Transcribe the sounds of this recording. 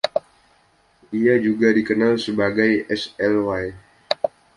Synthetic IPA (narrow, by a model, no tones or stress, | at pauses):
ʔiad͡ʒuɡadikənalsəbaɡajʔɛsɛlwaj